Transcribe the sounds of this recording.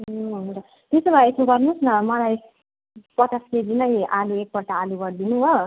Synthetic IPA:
oɦuntʌ | t̪esobʱaet̪ʰoɡʌrnusnʌmʌlaj | pʌʈʌsked͡zinʌjʔaluek̚pʌʈaːluɡʌɾd̪inuɦo

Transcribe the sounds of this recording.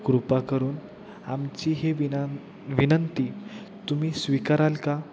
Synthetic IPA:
ɡɾupakəɾuːn | amt͡ɕiɦeʋ | ʋinənt̪i | t̪umiːsʋikaɾalka

